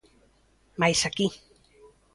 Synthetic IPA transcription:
majsaki

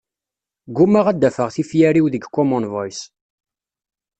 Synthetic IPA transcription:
ɡʊməʁæd̪ːæfəʁθifjæɾiwðəɡkːɔmɔnvɔjs

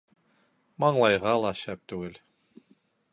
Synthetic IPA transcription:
mɑɴlˠɑjʁɑlˠɑʃæp̚t̪ʉɡɘl

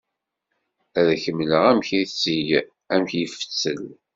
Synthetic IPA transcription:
æðçəmləʁæmçiθt͡sːij | æmçjəfə̥t͡sːə̰l

